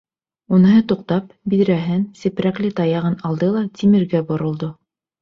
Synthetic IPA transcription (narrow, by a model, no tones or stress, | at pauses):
unɤ̆ɦɤt̪uq̚t̪ɑp̚ | biðɾæɦɘnsɘ̆pɾæklʲɘt̪ɑjɑʁɤnɑlˠd̪ɤlˠɑt̪ʲʰimɘ̆ɾɡæbŏɾŏlˠd̪o